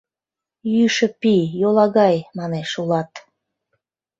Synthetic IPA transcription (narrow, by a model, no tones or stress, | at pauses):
jyʃə̆pijolɑɣɑjmɑneʃulɑt̪